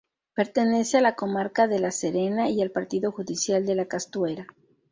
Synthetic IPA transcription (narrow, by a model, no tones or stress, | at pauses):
pe̞ɾt̪e̞ne̞se̞alako̞maɾkaðe̞laseɾe̞naialpaɾt̪iðo̞xuðisjald̪e̞lakast̪we̞ɾa